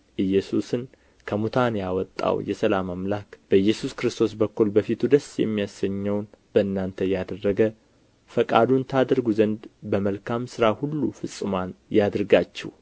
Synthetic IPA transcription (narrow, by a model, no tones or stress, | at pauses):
ʔɨjːɛsusɨn | kʰəmut̪ʰanjawɔt̪ʼːa̰wjɛsəlamamlakb̥əjːɛsuskɾɨst̪ʰo̞s̬bəkːulbəfit̪ʰud̪əsjɛ̰mːijasəɲːɛwnb̥əɨnːant̪ʰəjad̪ərːəɡə | fəkʼad̪unt̪ʰad̪ɾɡuzənd̪bəməlkʰamsɨɾahulːufɨsʼːɨmanjad̪ɾɡat͡ʃːɛ̰w